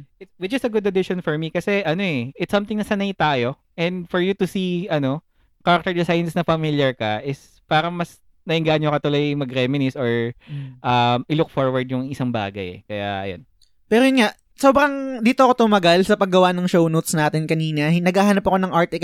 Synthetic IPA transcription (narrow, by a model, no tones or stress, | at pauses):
ʔɪt̪wɪt͡ʃɪsɐɡʊɐd̪ɪʃɔnfɔɹmikɐsɛʔɐno̞ʔɛʔɪt̪sːɐ̃mt̪ɪŋnɐsɐnɐjt̪aːjo̞ | ʔɛnd̪fɔɹjut̪ʊsiɐno̞ | kaɾɐk̚t̪ɛɹd̪ɪsajɐnsnɐfɐmɪljɐɹkɐʔɪs | paːɾɐŋmɐs | nɐʔɪŋɡaːʔɐɲjokɐt̪ʊlojmɐɡɾɛmɪnɪsoɹʔɐmɪlʊk̚foɹwɐɹd̪jʊŋɪsɐŋba̰ːɡɐ̰jɛ̰kɐja̰ʔɐ̰jo̰n | pɛːɾojʊnŋaʔ | soːbɾɐŋd̪iːt̪oɐkot̪ʊmɐɡalsɐpɐɡːɐwanɐŋʃownot̪snaːt̪ɪnkɐniːnɐnɐɡaːhaːnɐpɐkonɐŋʔaɹt̪ɛk